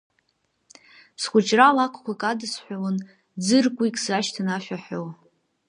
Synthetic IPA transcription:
sχʷʊt͡ʃʼralakʷʰkʷakʼadɨsħʷawən | d͡zɨrkʷʼikʲʼzaʃtʰanaʃʷᶣaħʷow

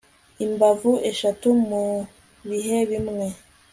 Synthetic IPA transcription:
imbavuʔeʃatumu | βiɦeβimŋe̞

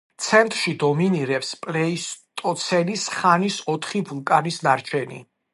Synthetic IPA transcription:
t̪sʰɛnt̪ʼɾʃid̪ɔminiɾɛpspʼlɛist̪ʼɔt̪sʰɛnisχanisɔt̪ʰχibulˠkʼanisnaɾt͡ʃʰɛnḭ

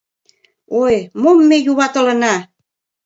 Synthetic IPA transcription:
ojmomːejuβɑt̪ɤ̆lə̆nɑ

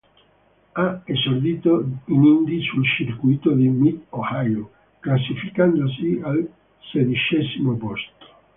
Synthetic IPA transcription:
aezord̪iːt̪oinind̪isult͡ʃirkujt̪od̪imit̪ohajo | klasːifikand̪osial | sed̪it͡ʃɛzimopost̪o̥

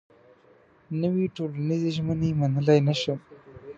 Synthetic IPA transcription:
nəwiʈolanizeʒmənemanəlajnaʃo

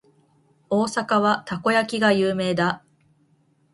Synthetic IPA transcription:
o̞ːsakaβat̪ako̞jakʲiɡajɯːme̞ːd̪a

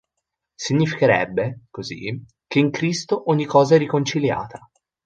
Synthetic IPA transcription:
siɲːifikeɾɛ̰bːekozḭ | k̟eiŋkɾist̪oʔoɲːikːɔːzaɛrːikont͡ʃilja̰ːt̪ʰḁ

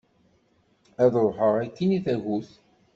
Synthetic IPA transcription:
æðəɾˤħəʁækːiniθæʝuθ

